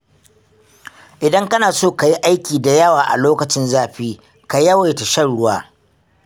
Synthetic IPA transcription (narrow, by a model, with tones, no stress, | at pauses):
ʔɪ˨dɐ˦ŋkɐ˦naː˨soː˦ka˨ji˦ʔa˦jkʲiː˨da˨jɐ˦waː˨ʔa̰˨loː˦kɐ˨t͡ʃɪ˦nzaː˦˨ɸiː˦ | ka˨jɐ˦wa˨jta˨ʃɐ˦nɽʊ˦waː˦